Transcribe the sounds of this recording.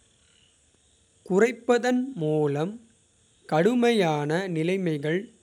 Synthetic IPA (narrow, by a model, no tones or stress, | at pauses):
kʊrɐɪpːɐðɐnmuːlɐm | kɐɽɯmɐjaːnɐnɪlɐɪmɐɪɣɐɭ